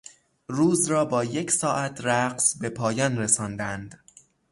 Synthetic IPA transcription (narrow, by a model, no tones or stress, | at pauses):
ɾuːzɾɒːbɒːje̞cʰsɒːʔæt̪ʰɾæqsbe̞pʰɒːjɒːnɾesɒːnd̪ænd̪